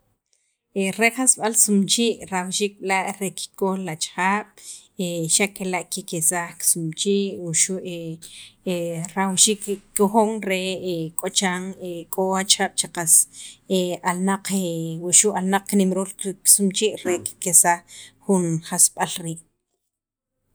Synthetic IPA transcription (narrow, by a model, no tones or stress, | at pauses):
eɾeχasɓalsumt͡ʃiːʔɾawʃiːk̚ɓlaʔɾeki̥kolat͡ʃxaːɓ̥ | eʃakelaʔkikesaksumt͡ʃiːʔwuʃuʔe | ɾawʃiːkkoxoŋɾekʼot͡ʃaːŋekʼoat͡ʃaːɓ̥t͡ʃaqasealnaq͡χewuʃuʔalnaq͡χknimɾuːlksumt͡ʃiːʔɾeki̥kesaχχunχasɓalɾiːʔ